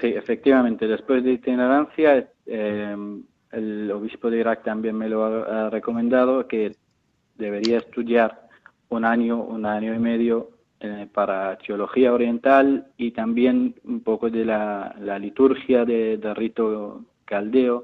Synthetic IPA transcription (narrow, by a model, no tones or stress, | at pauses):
siefek̚t̪iβamẽnt̪eðespwezd̪eit̪ineɾanθjae | e | eloβispoðeiɾak̚t̪ambjenmeloaarekomẽnd̪að̞oke | d̪eβeɾiaest̪uðjaɾ | unaɲoʔunaɲoimeðjo | epaɾat̪eoloxiaoɾje̞nt̪alit̪ambjenumpokoðelalalit̪uɾxjaðed̪erit̪o | kald̪eo